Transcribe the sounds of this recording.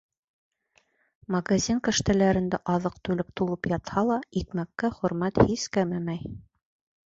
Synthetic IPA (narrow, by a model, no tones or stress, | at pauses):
mɐɡazʲinkɘ̆ʃt̪ælæɾɘ̆nd̪æʔɑðɤq̚t̪ʉlɘp̚t̪ulˠɤpjɑt̪hɑlˠɑikmækːæχɵ̆ɾmæt̪hiskæmæmæj